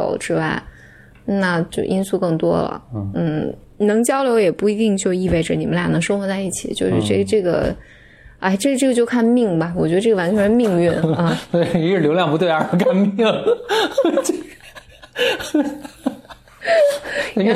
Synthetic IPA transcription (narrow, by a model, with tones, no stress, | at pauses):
o̰˨˧˥ʊʈ͡ʂɻ̩˥wa˥˩ɪ | na˥˩t͡ɕjo˥˧ʊʔi˥nsu˥˧kɤ˥˩ŋt̪wɔ̰˥lə̰˩n̩˥˩ | nɤ˧˥ŋt͡ɕjɑ˥ʊljo˧˥ʊjɛ˨˩pu˥˩i˧˥t̪i˥˧ŋt͡ɕjo˥˧ʊi˥˧we˥˩ɪʈ͡ʂə˩ni˨˩mə˦nla˥˩nɤ˧˥ŋʂo˥ŋxwɔ˧˥t͡sa˥˧ɪi˥˩t͡ɕʰḭ˨˩˦t͡ɕjo˥˧ʊʂɻ̩˥˧ʈ͡ʂɤ˥˩ʈ͡ʂɤ˥˩ɡə̰˩ | a˥ɪʈ͡ʂɤ˥˩ɡə˩ʈ͡ʂɤ˥˩ɡə˩t͡ɕjo˥˧ʊkʰa˥˧nmi˥˩ŋbɐ˩wɔ˨˩t͡ɕɥɛ˧˥ə˧ʈ͡ʂɤ˥˩ɡə˩wa˧˥nt͡ɕʰɥɛ˧˥nʂ̩˥˧mi˥˧ŋy˥˩nɐ˥˧˩t̪we˥˩ɪi˥ɻ̩˨˩ljo˧˥ljɑ˥˩ŋpu˧˥t̪we˥˩ɪə˞˥˧˥kʰa˥˧nmi˥˩˥ŋ | t͡ɕ